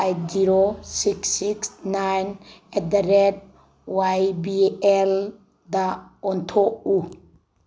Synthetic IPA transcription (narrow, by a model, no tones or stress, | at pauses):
ejt̚ziɾosiksiksnajnedaɾed̚ | wajbiel | daɔntʰoʔu